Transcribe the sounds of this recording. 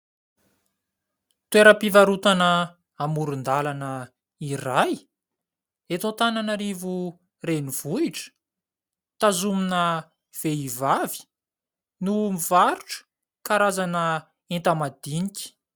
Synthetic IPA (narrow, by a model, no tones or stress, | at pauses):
t̪uweɾəpivaɾut̪anə | amuɾund̪alanə | iraj | et̪õt̪ananaɾivu | reniv̥uiʈ͡ʂə̥ | t̪azuminə | v̥eivavi̥ | numivaɾuʈ͡ʂə̥ | kaɾazanə | ent̪amad̪inikʲi̥